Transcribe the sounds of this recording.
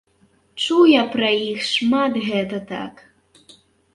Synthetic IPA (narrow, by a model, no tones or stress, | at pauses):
t͡ʂuwjapɾɐjixʂmat̪ɣɛt̪ɐt̪a̰k